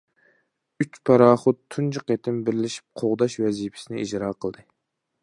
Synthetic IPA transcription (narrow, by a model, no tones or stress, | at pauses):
yt͡ʃpʰɑɾɑːχʊt̪ʰːunt͡ʃʰɨqet̪ʰɪmbɪɾlɪʃi̥p̚qʰoʁd̪ɑʃvɛzipʰɪ̥sɪnɪid͡ʒɾɑːqʰəlˠd̪ɨ